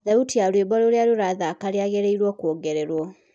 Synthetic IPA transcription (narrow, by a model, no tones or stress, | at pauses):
ðautiaɾweːβaloɾjaɾuɾaðakaɾiaɣeɾeiɾwɔkoːɡeɾeɾwɔ